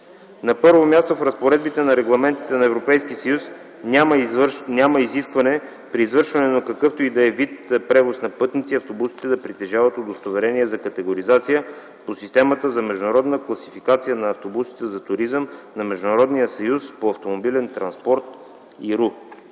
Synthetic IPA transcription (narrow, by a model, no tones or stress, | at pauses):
nɐpɤɾvomʲjast̪ofɾɐspoɾɛd̪bit̪ɛnɐɾɛɡlˠɐmɛnt̪it̪ɛnɐɛvɾopɛjskisɐjusʲ | amnʲaməiziskvɐnɛ | pɾiːzvɤɾʃvɐnɛt̪nɐkɐkɤft̪oid̪ɐɛvit̪pɾɛvosnɐpɤt̪nit̪siɐft̪obusi̥t̪ɛd̪ɐpɾit̪ɛʒavət̪ot̪ost̪ovɛɾɛniɛzɐkɐt̪ɛɡoɾizat̪sijə | posist̪ɛmət̪əzɐmɛʒd̪ʊnɐɾɔd̪nəklˠɐsifikat̪sijənɐːft̪obusi̥t̪ɛzɐt̪ʊɾizəmnɐmɛʒd̪ʊnɐɾɔd̪nijəsɐjuspoɐft̪omobilɛnt̪ɾɐnspɔɾt̪ | iɾu